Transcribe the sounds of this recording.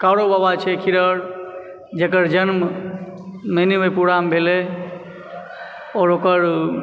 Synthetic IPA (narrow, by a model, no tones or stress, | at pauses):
kaɽobabat͡ʃʰɛkʰiɾəɾ | d͡ʒekəɾd͡ʒənm | menimepuɾambʱele | ɔːɾokəɾ